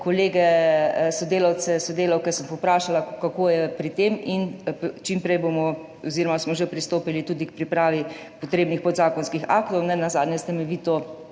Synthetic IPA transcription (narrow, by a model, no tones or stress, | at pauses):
koleːɡɛsɔd̪eːlawt̪sɛsɔd̪eːlawkɛsəmpɔwpɾaːʃalakakoːjɛpɾit̪eːmint͡ʃimpɾɛjbomɔ | ɔziɾɔmasmɔʒepɾist̪oːpilit̪uːd̪ik̚pɾipɾaːʋi | pɔt̪ɾeːbnixpɔd̪zaːkɔnskixa̰ːkt̪ɔwnɛnazaːd̪nɲjɛst̪ɛmɛʋiːt̪o